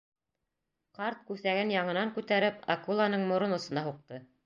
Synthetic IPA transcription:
qɑɾt̪̚kʉθæɡɘnjɑɴɤ̆nɑŋkʉt̪æɾɘpɑkulˠanɤɴmŏɾonŏsŏnɑɦuq̚t̪ɤ

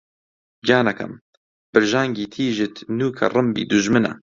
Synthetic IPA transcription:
ɡaːnɐkʰɐ̰m | b̥ɨɾʒaːŋɡiːt̪ʰiːʒɪt̪ʰnuːkʰɐ̰rˤɨmbḭːd̪uʒmɨnɐ̰

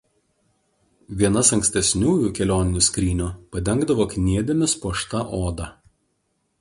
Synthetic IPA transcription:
ʋʲiɛnɐsɐŋʲksʲt̪ʲɛsʲnʲuːjuːkʲɛlʲoːnʲɪnʲʊsʲkɾʲiːnʲuːpɐd̪ʲɛŋɡd̪ɐʋoːkʲnʲiɛd̪ʲemʲɪspuɔʃt̪ɐʔoːd̪ɑ

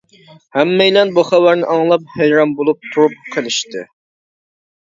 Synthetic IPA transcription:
hæmːɛjlɛnbuχævæɾnɪʔɑŋlˠɑp̚hejɾɑmbolˠup̚t̪ʰuɾup̚qʰəlˠɪʃt̪ɪ̰

